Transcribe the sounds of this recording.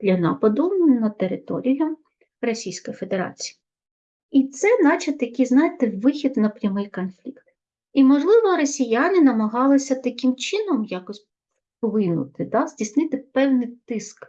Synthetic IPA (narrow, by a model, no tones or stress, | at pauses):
d̥̪lʲɐnɑpɐd̪ʊnɐt̪eɾɪt̪ɔ̰ɾʲijʊ | rɔsʲijsʲkɔjife̞d̪eɾɑ̰t͡sʲi̥ji | it̪sɛnɑt͡ʃɐt̪jɐkiznɑjt̪ɪʋɪxʲid̪nɐpɾʲɐmɪjkɔnflʲikt̪ | imɔʒlˠɪʋɔɾɔsʲijanɪnɐmɐɦɑlˠɪsʲɐt̪ɐkɪmt͡ʃɪnɔmjakɔsʲ | pɔʋɪjnʊ̰t̪ɪd̪ɑz̥ʲdʲisʲnɪt̪ɪpɛwnɪjt̪ɪsk